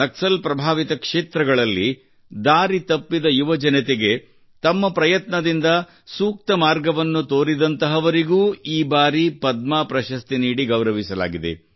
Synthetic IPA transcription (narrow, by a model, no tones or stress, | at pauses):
ɐksɐlpɾɐbʱaːʋit̪ɐkʂeːt̪ɾɐɡɐɭɐlːi | d̪aːɾit̪ɐpːid̪ɐjuʋɐd͡ʒɐnɐt̪ɛɡe̞ | t̪ɐmːɐpɾɐjɐt̪nɐd̪ind̪ɐ | suːk̚t̪ɐmaːɾɡɐʋɐnːut̪oːɾid̪ɐnt̪ɐɦɐʋɐɾiɡuːiːbaːɾipɐd̪̚maːpɾɐʃɐst̪iniːɽiɡɐwɾɐʋisɐla̰ːɡid̪ḛ